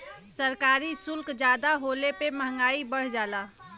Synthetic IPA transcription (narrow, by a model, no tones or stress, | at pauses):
səɾkaːɾisʊlkd͡ʒaːd̪aɦoːlepeməɦə̃ŋɡaːibəɽ̤d͡ʒaːlaː